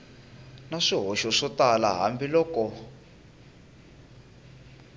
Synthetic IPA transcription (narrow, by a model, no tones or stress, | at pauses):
naʂiɦɔʃɔʂɔtala̰ɦa̰mbilɔːkɔ